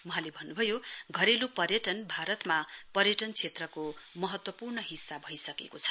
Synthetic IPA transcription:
wʌɦãlebʱʌnːubʱʌjoɡʱʌɾelupʌrjʌʈʌnbʱaɾʌt̪mapʌrjʌʈʌnt͡sʰet̪rʌkomʌɦʌt̪wʌpurnʌɦisːabʱʌjsʌkḛkot͡sʰʌ̥

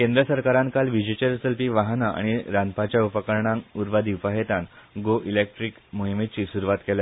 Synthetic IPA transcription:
kẽnd̪ɾəsəɾkaɾãnkalʋid͡ʑet͡ɕeɾsəlpiːʋaɦnaʔa̰ɽ̃iɾanpat͡ɕjaupəkəɾɳãŋuɾʋad̪ipaɦet̪anɡoʔilek̚ʈɾikmoɦimet͡ɕiːsuɾuʋat̪kela

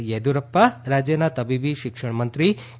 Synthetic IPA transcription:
jed̪uɾɐpːɐɾaːd͡ʒjɐnɐt̪ɐbibiʃikʂɐɳɐmɐnt̪ɾi

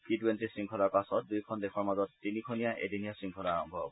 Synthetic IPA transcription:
kituwentisɹiŋkʰɔlaɹpasɔt̚dujkʰɔndekʰɔɹmazɔtːinikʰɔnijaʔḛdinijasɹiŋkʰɔlaaɹɔ̰mbʱɔ̰b

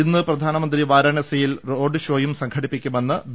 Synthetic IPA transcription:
inːɨprɐd̪ʱaːnɐmɐnd̪riʋaːɾɐɳɐsɐjilro̞ːɖɨɕo̞ːjumsɐŋkʰɐɽipːikʲːume̞nːɨʋ

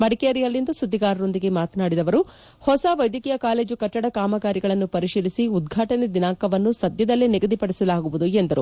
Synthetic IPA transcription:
mɐɽikeɐɾijɐlːind̪usud̪ʱːiɡaːɾɐɾo̞nd̪iɡe̞maːt̪ɐnaːɽid̪ɐʋɐɾu | hɔsɐʋɐjd̪jɐkiːjɐkaːle̞ːd͡ʒukɐʈːɐɽɐkaːmɐɡaːɾiɡɐɭɐnːupɐɾiʂiːlisiud̪ɡʱaːʈɐned̪inaːŋkɐʋɐnːusɐd̪jɐd̪ɐlːeniɡɐd̪ipɐɽisɐlaːɡuʋud̪uend̪ɐɾu

